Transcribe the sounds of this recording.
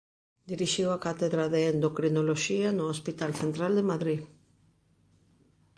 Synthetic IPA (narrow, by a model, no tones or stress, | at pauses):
d̪iɾiʃiwakat̪eðɾaðeend̪okɾinoloʃianʊospit̪alθent̪ɾald̪emaðɾið